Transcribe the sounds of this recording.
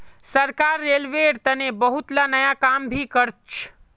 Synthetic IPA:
səɾkaːɾːeːlʋeɽt̪ənebəɦut̪lanəjakambʱikəɾt͡ʃʰ

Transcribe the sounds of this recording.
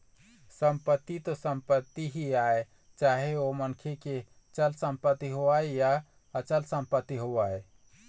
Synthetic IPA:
səmpət̪ːit̪osəmpət̪ːiɦiae | t͡ʃaːɦeomənkʰeke | t͡ʃəlsəmpət̪ːiɦoaeja | ət͡ʃəlsəmpət̪ːiɦoʋae

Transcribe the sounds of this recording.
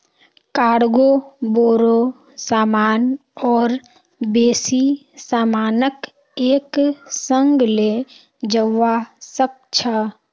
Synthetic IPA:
kaːɽɡoboːɾo | saːmaːnɔːɾ | beːsi | saːmaːnək | eːksə̃ŋɡle | d͡ʒəʋasək̚ | t͡ʃʰa

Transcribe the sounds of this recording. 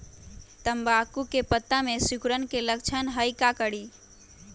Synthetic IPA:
t̪əmbakukepət̪ːamesukɾənkelək̚t͡ʃʰənɦəjkakəɽi

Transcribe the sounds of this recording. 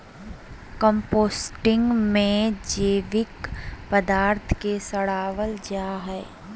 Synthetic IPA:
kə̃mpoːsʈɪ̃ŋɡmẽd͡ʒeːʋɪkpəd̪aːɾt̪ʰkesɐɽaːʋəld͡ʒaːɦɛː

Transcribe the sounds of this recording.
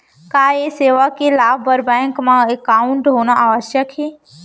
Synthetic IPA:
kaːeseːʋakelaːbəɾbɛ̃ːŋkmãekːaʊ̃ɳʈɦoːnaʔaːʋəʃjəkʰeː

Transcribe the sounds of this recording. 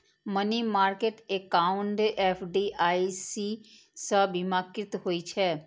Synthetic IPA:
mənimaːɾkeːʈekaʊɳɖeːpʰɖiʔaːisi | səbimaːkɾɪt̪ɦoːit͡ʃʰɛː

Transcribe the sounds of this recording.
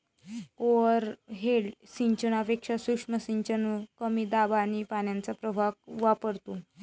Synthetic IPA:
ɔɾɦelsiɲt͡ɕənapekʂasukʂməsiɲt͡ɕənukəmiːd̪abanipanjant͡sapɾəbʱak̚ʋapəɾt̪u

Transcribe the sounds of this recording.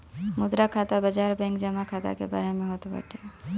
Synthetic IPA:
mud̪ɾakʰat̪abəd͡ʒaɾbɛ̃ŋkd͡ʒəmakʰat̪a̰kḛba̰ɾemẽɦot̪opa̰ɾʈe

